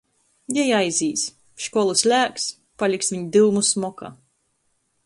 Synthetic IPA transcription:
jɛjajziːs | ʃkɔlˠusʲlʲæːks | palʲiksviɲid̪ɨwmusmɔka̰

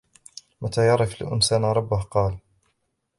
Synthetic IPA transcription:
mʔat̪ʰaːjɑɾˤɑflɪ̰ʔɪ̰nsaːnaɾˤɑbːʊhqɑːl

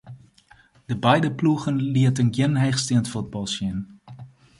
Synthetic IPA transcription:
d̥əbɛjdəpluɣənliətənɡjɪnɦɛχstiəntfud̚bɑlˠsɪn

